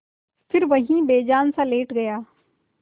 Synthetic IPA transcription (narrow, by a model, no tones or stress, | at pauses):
fɪɾʋɐɦĩbeːd͡ʒaːnsaleːʈɡɐjaː